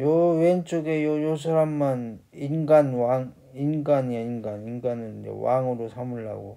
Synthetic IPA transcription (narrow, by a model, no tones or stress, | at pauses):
jowent͡ɕ͈oɡejojos̬ʰaɾamːan | inɡanwaŋ | inɡanainɡaninɡanɯɾd͡ʑḛwa̰ŋɯɾosʰamuɭːa̰ɡo̰